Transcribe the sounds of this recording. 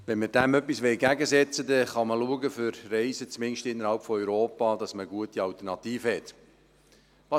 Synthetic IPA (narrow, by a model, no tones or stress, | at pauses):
ʋɛnməɾd̥æmœpːisʋɛɪɡæɡəsɛt͡sədɛχɑməluəɡəfʏɾrɛɪzət͡smɪnʃtɪnːəɾhɑlpfɔœʏɾoːpɑd̥ɑsməɡuətiɑltərnɑt̪iːfəhɛt̪ | ʋɑ